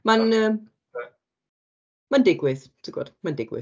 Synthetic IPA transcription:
manəːm | mandɪɡwɪð | tʰiɡ̥ɔ̰d̥mandɪɡwɪ̰

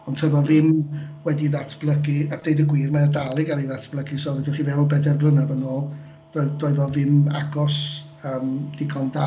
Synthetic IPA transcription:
ɔntʰəvɔðɪmwɛdiðatʰb̥lˠəɡiad̥ejdəɡwiːrmaadalˠɪɡaɾiðatʰblˠəɡisɔːvɛdɪχivɛwɔbɛdɛrblˠənabənoːlˠ | d̥ɔdɔɨðɔðɪma̰ɡɔs | əːmd̥ɪɡʰɔnda

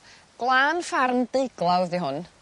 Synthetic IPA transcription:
ɡ̥lˠaːnfarmdejɡlˠawðiɦʊn

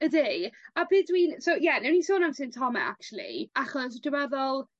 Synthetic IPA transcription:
ədejabɪːdwinsowjɛnɛwnisoːnawsɨntʰɔmɛ̰a̰k̚t͡ʃulˠḭaχɔs̬dəwɛðɔlˠ

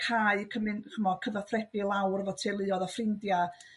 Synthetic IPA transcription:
kʰaɨkʰəmɨnkʰəmɔkʰəvaθrɛb̥ɨlˠawrvɔtʰelˠɨːɔðafrɪndja

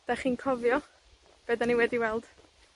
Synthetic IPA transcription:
d̥aχiːnkʰɔvjɔ | b̥eːdaniwɛdiwɛlˠd̥

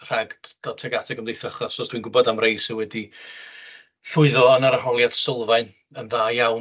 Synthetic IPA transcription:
r̥aɡd̥d̥ɔtʰɛɡatʰɛɡəmdejθəχɔsɔsd̥winɡʊbɔdamrejsɪwɛdi | ɬʊɨðɔənaɾahɔlˠjad̥sɪlˠvaɨn | ənðaːjawn

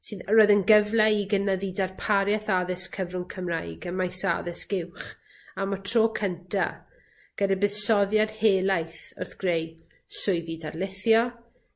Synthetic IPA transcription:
sɨːðəɾoːɨðənɡəvlˠɛiɡənaðidarpʰaɾjɛθaðɪskʰəvrʊŋkʰəmrajɡəmajsa̰ðɪsɡ̥ɪwχ | amɔtʰroːkʰəntʰa̰ | ɡ̥ədɛbɨðsɔðjad̥heːlˠajθʊ̰rθɡ̥rej | sʊɨðidarlɪθjɔ

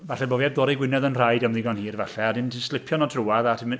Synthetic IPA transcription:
vaɬɛboːviɛbdɔːɾiɡwɪnɛðənr̥ajdamðɪɡɔnhiːrvaɬɛadɪntʰɪnslˠɪpʰjɔnɔtʰruaðatʰɪm

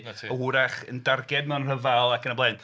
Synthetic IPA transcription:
tʰːəuɾaχəndarɡɛd̚mɛnr̥əvalˠakənəblˠeɨn

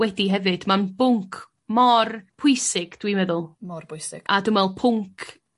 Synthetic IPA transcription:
wɛdiɦɛvɨd̥manbʊŋkʰ | mɔrpʰʊjsɪɡ̥d̥wimɛðʊlˠmɔrbʰʊjsɪɡ̥adʊmɛlˠpʰʊŋkʰ

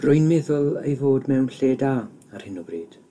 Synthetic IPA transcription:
rʊjnmɛðʊlˠejvoːdmɛwnɬeːda | ar̥hɪnɔbriːd̥

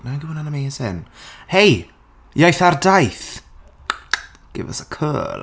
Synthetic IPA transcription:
naɡəwənanəmejsɪnhej | jajθardajθ | ɡ̥ɪ̰və̰səkʰə̰ːl

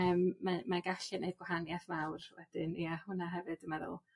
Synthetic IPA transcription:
əːmːamaɡaɬɪneɨd̚ɡwahanjaθmawrwɛd̥ɪniahʊnaɦɛvɨd̥əmaɾɔ̰lˠ

